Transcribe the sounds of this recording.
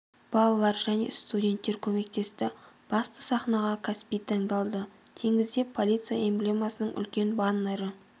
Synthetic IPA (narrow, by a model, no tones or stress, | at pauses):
b̥ɑlˠɑlˠɑɾʒæne̞̰st̪udʲe̞nt̪ːe̞ɾkʲʰɵme̞kt̪e̞st̪ɪ | b̥ɑst̪əsɑχnɑʁɑkʰaspijt̪ʰɑɴd̪ɑlˠd̪ə | t̪ʰeŋʲɪzd̪e̞pʰːolʲit̪sɨjaemblʲemasənəɴʔʏ̰lkʲe̞nbɑnːɑɾə